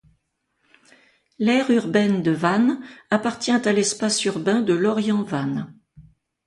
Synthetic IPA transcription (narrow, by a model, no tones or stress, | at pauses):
lɛʁyʁbɛnd̪əvanapaʁt̪jɛ̃t̪alɛspasyʁbɛ̃d̪əlɔʁjɑ̃van